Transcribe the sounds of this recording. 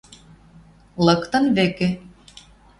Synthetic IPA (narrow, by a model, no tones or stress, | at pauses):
lɤ̆kt̪ɤ̆nβĕkĕ